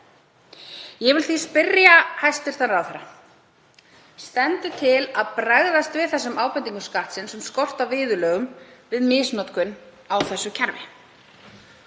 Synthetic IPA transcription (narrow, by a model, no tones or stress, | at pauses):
jɛvɪlθispɪrjahajst̪ɪɾ̥θanɾawθɛɾːa | st̪ɛnt̪ʏt̪ʰɪlaðpɾaɣðast̪vɪðθɛsːʏmaːwpɛnt̪iŋkʏskaht̪sɪnsɛmskɔr̥t̪avɪːðʏlœːɣʏmvɪðmɪːsnɔt̪kʏn | awθɛsːʏcʰaɾvɪ̰